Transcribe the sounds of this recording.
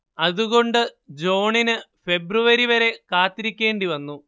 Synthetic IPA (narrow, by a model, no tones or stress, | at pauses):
ɐðuɣo̞ɳɖɨd͡ʑo̞ːɳinɨfe̞bruʋɐɾiʋɐɾe̞kaːt̪ːiɾikʲːe̞ːɳɖiʋɐnːu